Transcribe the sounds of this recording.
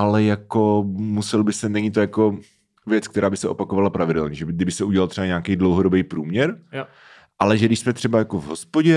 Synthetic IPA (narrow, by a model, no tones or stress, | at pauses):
ʔalɛjako̞musɛlbɪsɛnɛɲiːt̪ojako̞ | vjɛt͡skt̪ɛɾʔaːbɪsɛʔopakovalapɾavɪdɛlɲɛʒɛbɪɡdɪbɪsɛʔuɟɛlalt̪r̥ɛbaɲaːkejdlowɦodobejpɾuːmɲɛɾ | ʔalɛʒɛdɪʃsmɛt̪r̥ɛbajakovɦospoɟɛ